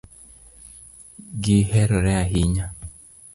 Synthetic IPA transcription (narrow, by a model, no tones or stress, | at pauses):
ɡɪhɛɾɔɾɛaɦɪɲa